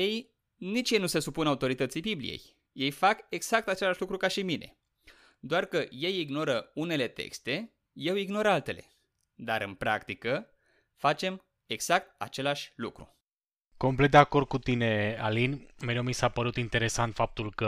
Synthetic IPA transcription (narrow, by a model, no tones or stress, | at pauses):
je̞j | nit͡ʃjejnuse̞supunaut̪o̞ɾit̪ət̪sibiblḭjḛj | je̞jfake̞ɡz̥ak̚t̪at͡ʃe̞laʃʲlukɾukaʃimine̞̰ | d̪oarkəje̞jiɡno̞ɾəune̞le̞t̪ḛkst̪e̞ | je̞wiɡno̞ɾalt̪e̞le̞̰ | d̪aɾɨnpɾa̰kt̪ikə | fat͡ʃe̞m | e̞ɡz̥ak̚t̪̚a̰t͡ʃe̞laʃʲlukɾṵ | ko̞mplet̪̚d̪eako̞rd̪̚kut̪inealinʲmeɾewmisapəɾut̪int̪e̞ɾe̞sant̪fap̚t̪ulkə